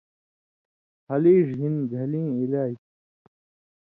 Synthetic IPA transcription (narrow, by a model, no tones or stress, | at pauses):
hɐliːʐɦinɡʱɐlĩːilaːi